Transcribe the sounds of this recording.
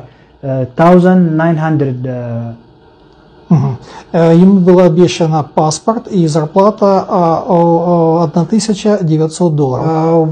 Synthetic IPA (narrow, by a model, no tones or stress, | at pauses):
t̪ʰawzənd̪najnɦand̪ɾəd̪ | m̩ɦ̩jɪmubɨlˠaɐbjeɕːənəpaspərt̪izɐrplˠat̪ə | ɐd̪nat̪ɨsʲət͡ɕədʲɪvʲɪt̪ʲsot̪̚d̪olˠəɾə